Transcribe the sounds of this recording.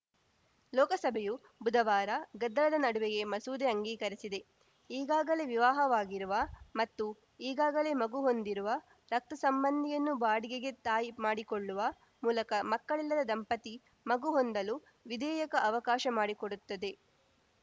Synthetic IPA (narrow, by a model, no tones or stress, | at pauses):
lɔːkɐsɐbʱeju | bud̪ʱɐʋaːɾɐɡɐd̪ːɐlɐd̪ɐnɐɽuʋeɡe̞mɐsuːd̪eɐŋɡiːkɐɾisid̪e̞ | iːɡaːɡɐle̞ʋiʋaːɦɐʋaːɡiɾuʋɐmɐt̪ːu | iːɡaːɡɐle̞ːmɐɡuɦo̞nd̪iɾuʋɐ | ɾɐk̚t̪ɐsɐmbɐnd̪ʱijɐnːubaːɽiɡeɡe̞t̪aːjimaːɽikoɭːuʋɐ | muːlɐkɐmɐkːɐɭilːɐd̪ɐd̪ɐmpɐt̪i | mɐɡuɦo̞nd̪ɐlu | ʋid̪ɛːjɐkɐʔɐʋɐkaːʃɐmaːɽikoɽut̪ːɐd̪e̞